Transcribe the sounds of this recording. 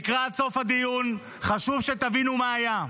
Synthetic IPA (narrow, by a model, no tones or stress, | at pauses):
kʁatso̞fhad̪ijun | χaʃuvʃet̪avinumaːja